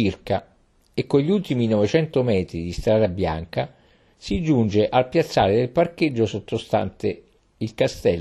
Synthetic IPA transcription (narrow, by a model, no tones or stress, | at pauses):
irka | ekːoʎiult̪iminɔvet͡ʃɛnt̪omɛːt̪ɾid̪ist̪ɾaːd̪abja̰ŋka | sid͡ʒund͡ʒeʔalpjat̪sːa̰ːɾed̪elpark̟ed͡ʒːosot̪ːost̪a̰nt̪e | ilkast̪ɛl